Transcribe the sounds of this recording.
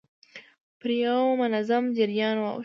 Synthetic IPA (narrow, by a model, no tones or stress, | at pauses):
pəɾjawmʊnazamd͡ʒɪɾjɑnwa̰w